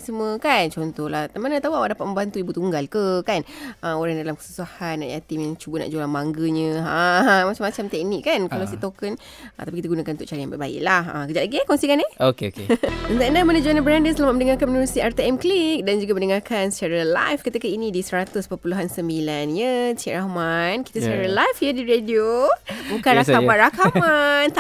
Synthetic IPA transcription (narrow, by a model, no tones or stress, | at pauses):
səmuəkant͡ʃɔnt̪ɔhlaht̪amanət̪awawaʔdapat̪̚mə̃mbant̪uibut̪uŋɡalkəkanəoɾaŋdalamkə̥su̥sahanːa̰ʔjat̪imjaŋt͡ʃubəna̰ʔd͡ʒolaŋmaŋɡəɲə̃əmat͡ʃamat͡ʃamt̪ɛk̚nikːankalawsit̪okən | ət̪apikit̪əɡunakanut̪ʊkʔt͡ʃaɾajãŋba̰ʔbaɪ̰ʔlahə̰kəd͡ʒat̪ʔlaɡiekɔnsikaneokeokeənt̪aʔnamənəd͡ʒuanabəɾandəsəlamat̪mənəŋarkanmənəɾusiɛrt̪eɛmklik̚dand͡ʒuɡaməndəŋarkansə̥t͡ʃaɾəla̰jfkət̪əkainĩdisəɾat̪ʊspəpuluɦansəmbilanjət͡ʃiʔɾahmanki̥t̪əsət͡ʃaɾalajfjədiɾediobukanɾaaanɾakaman